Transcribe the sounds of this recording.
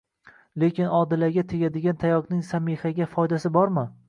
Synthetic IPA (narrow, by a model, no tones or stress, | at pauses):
le̞kʲɪnɒd̪ɪlaɾɡʲat̪ʰeɡʲad̪ɪɡʲant̪ʰajɒqnɪŋsamehaɡʲafɒjd̪asɪbɒɾmɪ